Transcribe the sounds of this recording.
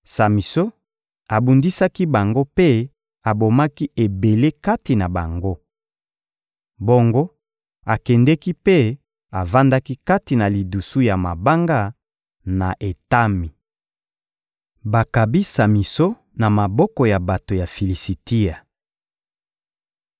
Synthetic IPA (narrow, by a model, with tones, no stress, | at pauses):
sa˨mi˨so˦ | a˨bu˨ndi˦sa˦ki˦ba˨ŋɡo˦pe˦ | a˨bo˨ma˦ki˦e˨be˨le˦ka˦ti˨na˨ba˨ŋɡo˦ | bo˦ŋɡo˦ | a˨kɛ˨ndɛ˦ki˦pe˦ | a˨va˦nda˦ki˦ka˦ti˨na˨li˨du˨su˦ja˨ma̰˨ba˦ŋɡa˦ | na̰˨ʔe˨ta˦mi˨ | ba˨ka˨bi˦sa˨mi˨so˦ | na˨ma˨bɔ˦kɔ˨ja˨ba˨to˨ja˨fi˨li˨si˨ti˦a˨